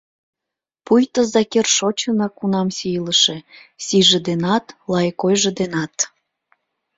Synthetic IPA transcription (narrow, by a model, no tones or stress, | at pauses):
pujt̪əzɑkerʃot͡ɕənɑkunɑmsijləʃe̽siʒĕd̪enɑt̪lɑjkojʒĕd̪enɑt̪